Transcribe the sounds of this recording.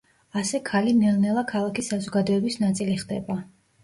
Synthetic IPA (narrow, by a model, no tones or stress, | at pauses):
asɛkʰalimɛlnɛlˠakʰalˠakisazɔɡad̪ɔɛbisnat̪sʼiliχd̪ɛba